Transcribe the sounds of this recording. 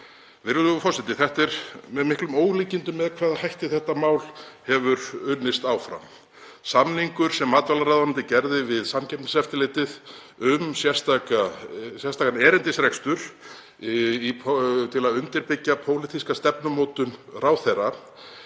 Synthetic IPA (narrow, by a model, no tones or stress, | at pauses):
vɪɾʏðʏfɔrsɪt̪ːɪθɛht̪ɛɾmɛðmɪhklʏmoːwɣliːcɪnt̪ʏmːɛðkʰvaːðhajht̪ɪθɛht̪ːamaːwlhɛvʏɾʏnːɪst̪aːwfɾa̰m | samniŋkʏɾ̥sɛmːaːt̪valaɾaðanɪnt̪ɪcɛɾðɪvɪðsamcʰɛpnɪsɛft̪ɪlɪːt̪ɪð | ʏmsjɛ̥st̪akasjɛ̥st̪akanɛːɾɪnt̪ɪsɾɛkst̪ʏɾ̥ | ipʰt̪ʰɪlaðʏnt̪ɪɾpɪcːapʰoːwlɪt̪ʰiskast̪ɛpnʏmoːt̪ʏnraːwθɛrːa